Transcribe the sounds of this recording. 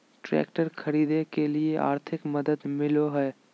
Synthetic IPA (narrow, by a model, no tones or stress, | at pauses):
ʈɾɛ̰ːkʈəɾkʰɐɾiːd̪ekelieʔa̰ːɾt̪ʰɪkmɐd̪əd̪mɪloɦɛː